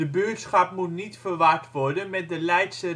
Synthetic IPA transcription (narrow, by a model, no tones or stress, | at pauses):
əbøətsχɑp̚mutnitfərʋaɹtʋɔɹdənmɛt̚dəlɛjtsə